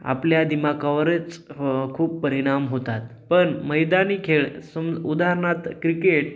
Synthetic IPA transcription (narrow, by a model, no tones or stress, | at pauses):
a̰pljad̪imakaʋəɾət͡skʰuːpːəɾiɽ̃amɦot̪at̪ | pəɳməjd̪aniːkʰeɭsəmud̪aɦɾɳat̪kɾikeʈ